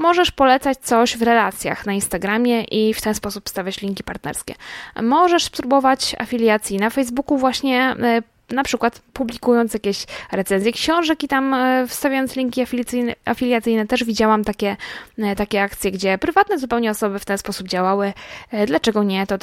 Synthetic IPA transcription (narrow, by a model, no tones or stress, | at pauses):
mɔʐɛʂpɔlɛt̪sat͡ɕt̪sɔɕvɾɛlat̪sʲja̰xnainst̪aɡɾamʲjɛʔift̪ɛnspɔsupfst̪avʲat͡ɕlʲiŋkʲipaɾt̪nɛ̰ɾskʲɛ̰mɔʐɛʂspɾubɔvat͡ɕa̰fʲilʲjat̪sʲjinafɛjzbukuvwaɕɲɛ | napʂɘkwat̪publʲikujɔnt̪sjakʲeɕɾɛt̪sɛnzjɛkɕɔ̃w̃ʐɛkit̪amfst̪avʲajɔnt̪slʲiŋkʲiafʲsɘjnafʲilʲjat̪sɘjnɛt̪ɛʐvʲid͡ʑawamt̪akʲɛt̪akʲɛak̚t̪sʲjɛɡd͡ʑɛpɾɘvat̪nɛzupɛwɲɛɔsɔbɘft̪ɛnspɔsub̚d͡ʑawawɘd̪lat͡ʂɛɡɔɲɛt̪ɔ